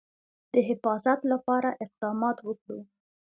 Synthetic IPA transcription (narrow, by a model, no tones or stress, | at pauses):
d̪̥əɦɪfɑzat̪lapɑɾaʔɪq̚d̪ɑmɑt̪wəkɽu